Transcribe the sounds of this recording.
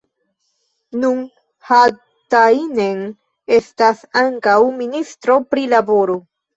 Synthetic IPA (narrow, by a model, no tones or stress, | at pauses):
nun | ha | tainen | e̞stasaŋkawministɾo̞pɾilabo̞ɾo